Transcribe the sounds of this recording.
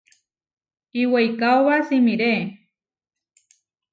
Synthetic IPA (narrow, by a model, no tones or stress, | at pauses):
iwejkaoβasimiɾe